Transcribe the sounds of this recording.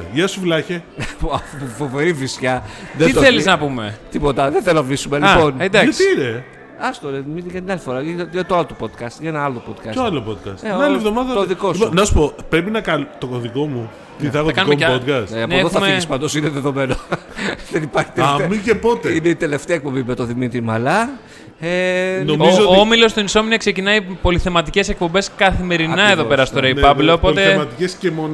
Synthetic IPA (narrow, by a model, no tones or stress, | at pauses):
ʝɐsuvlɐçepɐffove̞ɾivisçɐðeioθeliznɐpumet̪ipo̞t̪ɐðeθlonɐvlisumelipo̞ned̪ɐɐsiine | ɐst̪oɾemiʝɐt̪inɐlifo̞ɾɐɐʝɐt̪oɐlot̪opod̪kɐst̪ʝɐenɐɐlopod̪kɐsoɐlopod̪̚kɐ̰st̪eɐlievðomɐðɐoðikosiponɐsu̥po̞pɾepinɐkɐlt̪okoðiko̞mu | t̪iθɐeɣɐkɐnumemod̪kɐsɐpneoeðoxuɐmspɐnd̪osineðeðo̞me̞noðenipɐɾçi̥t̪ɐmicepo̞t̪eineit̪e̞le̞ft̪eɐek̚po̞mbimet̪oðimit̪ɾimɐlɐ | enomizooomilo̞st̪oinso̞minɐksecinɐipo̞liθe̞mɐt̪ice̞sek̚po̞mbe̞skɐθime̞ɾinɐeðope̞ɾɐst̪oɾeipɐblopo̞lt̪emɐt̪icescemon